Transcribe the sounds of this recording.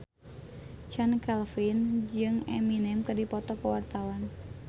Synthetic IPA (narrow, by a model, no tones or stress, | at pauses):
t͡ʃankɛlfind͡ʒɨŋɛ̰minɛmkɨrdipɔt̪ɔkəwart̪awan